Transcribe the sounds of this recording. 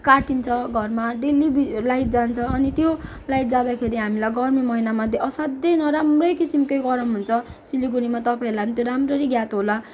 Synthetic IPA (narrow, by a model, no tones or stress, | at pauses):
kaʈint͡sʰʌɡʱʌrmaɖelibilajʈ̚d͡zant͡sʰʌːnit̪jo | lajʈ̚d͡zad̪akʰeɾiɦamilajɡʌrmimʌɦinamʌd̪ʱjeʌsad̪jʌjnʌɾamrʌjkisimkʌjɡʌɾʌmɦunt͡sʰʌsiliɡuɾimat̪ʌpaĩlajt̪joɾamrʌɾiɡjat̪ɦola